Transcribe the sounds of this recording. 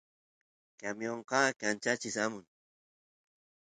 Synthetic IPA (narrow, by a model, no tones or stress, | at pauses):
kamjoɴqɑːkant͡ʃat͡ʃɪsamʊŋ